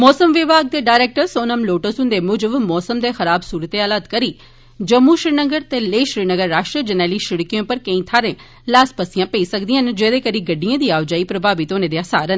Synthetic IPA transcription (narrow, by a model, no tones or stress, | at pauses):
mɔːsəmʋɪbʱaːɡ̚d̪eːɖaːɪɾeːk̚ʈəɾsoːnəmloːʈəsʊ̃nd̪eːmʊd͡ʒəbmɔːsəmd̪eːxəɾaːbsuːɾət̪eːaːlaːt̪kəɾiː | d͡ʒəmːuːʃɾiːnəɡəɾt̪eːleːʃɾiːnəɡəɾːaːʃʈɾəd͡ʒənɛːliːʃɪɽkijõːpəɾkə̃ĩːt̪ʰaːɾẽː | laːspəsɪjãːpeiːsəkd̪ɪjãːnd͡ʒeːd̪eːkəɾiːɡəɖijãːd̪iːaːʋd͡ʒaːiːpɾəbʱaːʋɪt̪oːnẽːd̪eaːsa̰ːɾən